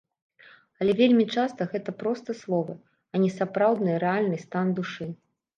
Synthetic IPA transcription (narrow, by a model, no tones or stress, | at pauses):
ɐlʲɛvʲelʲmʲit͡ʂast̪ɐɣɛt̪ɐpɾɔst̪ɐslˠɔvɐ | ɐnʲɛsapɾawd̪nɨjɐɾɛalʲnɨst̪and̪uʂɨ